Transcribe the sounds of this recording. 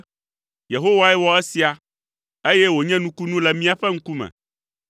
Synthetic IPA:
je˨ɦo˦wa˦ɛ˦wɔ˦e˦si˨a˨ | e˦jɛ˦wo˨ɲɛ̃˦nũ˦ku˦nũ˦lɛ˨mĩ˦a˨ɸɛ˦ŋ̩̃˦ku˦mɛ̰̃˨

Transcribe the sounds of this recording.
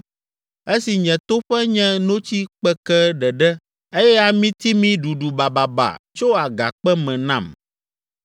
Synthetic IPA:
e˦si˨ɲɛ̃˨t̪o˦ɸɛ˦ɲɛ̃˦nõ˦t͡ɕi˦k͡pɛ˦kɛ˦ɖɛ˨ɖɛ˦ | e˦jɛ˦a˨mĩ˦t̪i˦mĩ˦ɖu˨ɖu˨ba˨ba˨ba̰˨t͡ʃo˦a˨ɡa̰˨k͡pɛ˦mɛ̃˨nã˨m

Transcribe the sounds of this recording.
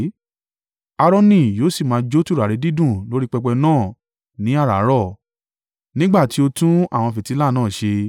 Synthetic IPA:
a˧ɾɔ˦nĩ˦˨joː˨˦si˦˨mãː˨˦d͡ʒo˦tu˦ɾa˨ɾe˨˧˦di˦dũ˦˨lo˨˦ɾi˦k͡pɛ˧k͡pɛ˧nãː˦˨ | nĩ˨˦a˦˨ɾa˨˦ɾɔ˦˨ | nĩ˦ɡ͡ba˦˨ti˨˦o˧tũ˦a̰˦˨w̃ɔ̃˧fi˨ti˨˦la˦˨nãː˦˨ʃe˧

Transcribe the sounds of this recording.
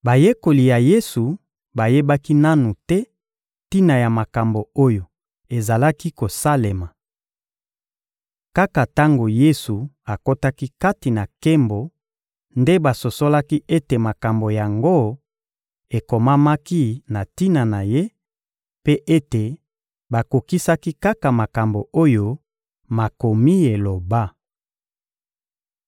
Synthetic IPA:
ba˨je˦ko˨li˨ja˨je˦su˨ | ba˨je˦ba˦ki˦na˦nu˨tɛ˦ | ti˦na˨ja˨ma˨ka˨mbo˨o˦jo˨ | e˨za˨la˦ki˦ko˨sa˦le˨ma˨ | ka˦ka˨ta˦ŋɡo˨je˦su˨a˨ko˦ta˦ki˦ka˦ti˨na˨ke˦mbo˨ | nde˦ba˨so˨so˦la˦ki˦e˦te˨ma˨ka˨mbo˨ja˨ŋɡo˦ | e˨ko˨ma˦ma˦ki˦na˨ti˦na˨na˨je˦ | pe˦ʔe˦te˨ | ba˨ko˨ki˦sa˦ki˦ka˦ka˨ma˨ka˨mbo˨o˦jo˦ | ma˨ko˨mi˦e˨lo˨ba˦

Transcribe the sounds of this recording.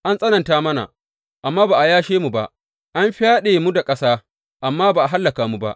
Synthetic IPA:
ʔa˦nsʼɐ˦nɐ˨ntaː˦mɐ˦na̰˨ | ʔa˨mːaː˦baː˨ʔa˨jaː˦ʃeː˦mu˨ba˦ʔ | ʔa˦mɸɪ˦jaː˦ɗeː˨mu˦da˨kʼɐ˦saː˦ | ʔa˨mːaː˦baː˨ʔa˨ɦa˦lːɐ˨kaː˨mu˦ba̰˦ʔ

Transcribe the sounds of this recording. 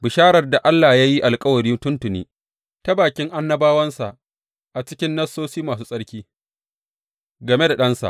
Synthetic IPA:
bɪ˨ʃaː˦ɾɐ˨rda˨ʔa˦lːa˨jaː˦ji˦ʔa˨lkʼɐ˦wɐ˨ɾiː˦tʊ˦ntʊ˨nḭː˦ | ta˦baː˨kʲɪ˦ŋʔa˦nːɐ˦baː˦wɐ˦nsa˨ʔ | ʔa˨t͡ʃɪ˦kʲɪ˦nːɐ˦sːoː˦siː˦maː˨s̬uː˦sʼɐ˦ɽkʲiː˦ | ɡɐ˨me˦da˨ɗɐ˦nsa̰˨ʔ

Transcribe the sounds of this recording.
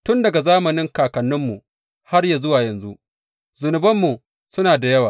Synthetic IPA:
tʊ˦ndɐ˨ɡa˨zaː˦mɐ˨nɪ˦ŋkaː˨kɐ˨nːʊ˦mːu˨ | ha˦rjaː˨zʊ˦waː˨jɐ˨nzu˦ʔ | zʊ˨nʊ˨bɐ˦mːu˨ | sʊ˦naː˨da˨jɐ˦waː˨

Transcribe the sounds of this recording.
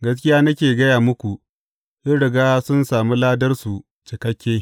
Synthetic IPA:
ɡɐ˦s̬kʲɪ˦jaː˦nɐ˦kʲeː˨ɡɐ˦jaː˨mʊ˦kʷu˨ | ʔɪ˦nɽɪ˨ɡaː˦sʊ˦nsaː˨mi˦laː˦dɐ˦rsu˨ | t͡ʃɪ˨kɐ˦kʲːeː˦

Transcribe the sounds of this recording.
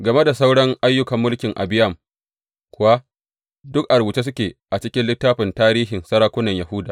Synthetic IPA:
ɡɐ˨me˦da˨sa˦wɽɐ˦ŋʔa˦jːʊ˦kɐ˨mːʊ˦lkʲɪ˨ŋʔa̰˨bɪ˦jɐ˦˨m | kʷʊ˨wa˦ | dʊ˦k̚ʔa˨ɾbu˨t͡ʃe˦s̬ʊ˦kʲeː˨ʔa˨t͡ʃɪ˦kʲɪ˦nlɪ˦tːaː˦ɸɪ˨ntaː˦ɾiː˦ɦɪ˨nsɐ˦ɾaː˦kʷʊ˦nɐ˨ɲja˨hʊ˦da̰ː˨

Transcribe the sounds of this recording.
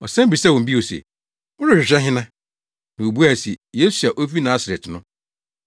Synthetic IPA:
ɔ˨sɛ̃˦m̩˦bi˨sa˦wɔ̃˨m˨bi˦o˨sḛ˨ | wʊ˦ɾʊ˨ɾᶣɪ˨ɕᶣɛ˦ɦɪ̃˦nã˦ | nã˨o˨bu˦a˨si˨je˦su˨a˨ʔo˦fi˦nã˦sa˨ɾe˨tnʊ̃˦

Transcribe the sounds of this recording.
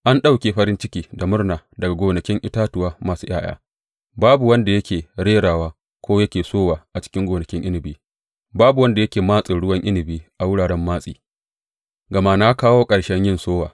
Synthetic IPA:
ʔa˦nɗa˦wkʲeː˨ɸɐ˦ɾɪ˦nt͡ʃɪ˦kʲiː˦da˨mʊ˦rnaː˨dɐ˨ɡa˨ɡʷoː˨nɐ˨kʲɪ˦ŋʔɪ˦taː˦tʊ˨waː˦maː˨suː˦j̰ʔaː˦j̰a̰ː˦ | baː˦bu˨wɐ˦nda˨jɐ˦kʲʰeː˨ɽeː˦ɽaː˨waː˦ | kʷʰoː˦jɐ˦kʲeː˨soː˦waː˨ʔa˨t͡ʃɪ̥˦kʲɪ˦ŋɡʷoː˨nɐ˨kʲɪ˦ŋʔɪ˦nɪ˨biː˦ | baː˦bu˨wɐ˦nda˨jɐ˦kʲeː˨maː˦sʼɪ˨ɽʊ˦wɐ˦ŋʔɪ˦nɪ˨biː˦ʔa˨wʊ˦ɽaː˨ɽɛ˦mːaː˦sʼḭː˨ | ɡɐ˨ma˦naː˦kaː˦woː˦kʼɐ˨ɽʃɛ˦ɲjɪ˦nsoː˦waː˨

